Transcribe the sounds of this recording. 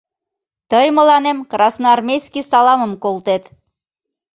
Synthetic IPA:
t̪əjməlɑnemkrɑsnoɑrmʲejskisɑlɑməmkolt̪et̪

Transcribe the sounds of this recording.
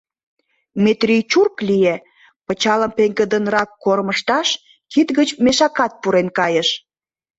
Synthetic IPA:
met̪rʲijt͡ɕurklije | pət͡ɕɑləmpeŋɡəd̪ənrɑkːorməʃt̪ɑʃ | kit̪ɣət͡ɕmeʃɑkɑt̪̚puɾenkɑjəʃ

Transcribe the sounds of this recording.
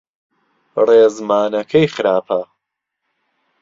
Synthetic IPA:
reːzmaːnɐkʰɐjxɨɾaːpʰɐ

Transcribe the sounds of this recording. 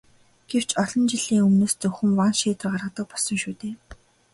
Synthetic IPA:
ɡ̥ew̥t͡ɕɔɮɞ̆nt͡ɕiɮiːŋɵmnoːst͡sɵxɵ̆mwanʃeːt̪ə̆rɢarʁə̆t̪ə̆k̚pɔɮsɞ̆ŋʃuːt̪eː

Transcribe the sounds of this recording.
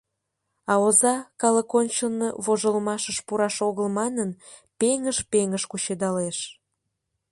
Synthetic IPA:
ɑozɑkɑləkonʲt͡ɕəlnḛβoʒəlmɑʃəʃpuɾɑʃoɣəlmɑnən | peŋəʃpeŋəʃkut͡ɕed̪ɑleʃ

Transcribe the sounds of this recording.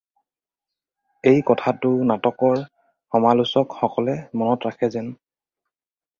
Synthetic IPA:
ejkɔtʰatʊnatɔkɔɹ | xɔmalusɔkxɔkɔlɛmɔnɔtɹakʰɛzɛn

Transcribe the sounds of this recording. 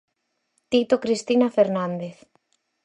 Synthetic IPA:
t̪it̪okɾist̪inafeɾnãnd̪eθ

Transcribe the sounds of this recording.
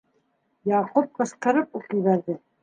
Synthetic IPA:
jɑqup̚qɤ̆sqɤ̆ɾɤpuqĭβæɾðɘ

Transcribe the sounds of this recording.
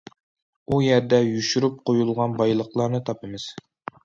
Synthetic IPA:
ujɛɾd̪ɛjuʃyɾyp̚qʰojulˠʁɑnbɑjlˠəχlˠɑɾnɨt̪ʰɑpɨmɨz̥

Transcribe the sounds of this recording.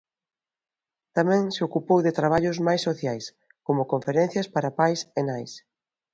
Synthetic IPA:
t̪amɛ̃ŋseokupowðɪt̪ɾaβ̞aʎʊzmajsːoθjajs | komʊkoɱfeɾɛ̃n̟θjɐspaɾapajsenajs

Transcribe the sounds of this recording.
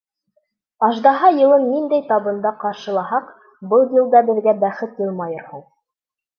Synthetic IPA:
ɑʒd̪ɑɦɑjɤ̆lˠɤnːind̪æjt̪ɑβɤ̆nd̪ɑqɑɾʃɤ̆lˠɑɦɑq | bɤlˠjɤ̆lˠd̪ɑbɘ̆ðɡæbæχɘt̪jɤlˠmɑjɤ̆ɾhuɴ

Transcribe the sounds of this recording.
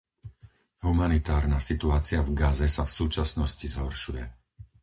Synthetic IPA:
ɦumanit̪aːɾnasit̪uaːt͡sɪavɡazɛsafsuːt͡ʃasnɔscizɦɔɾʃujɛ

